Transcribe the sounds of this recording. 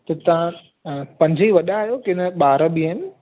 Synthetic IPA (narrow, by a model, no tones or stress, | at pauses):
t̪ɐt̪ɐʋã | pɐ̃ɲd͡ʑʱiʋɐɗaːjokɪɪnəɓaːɾəɓiɪnɪ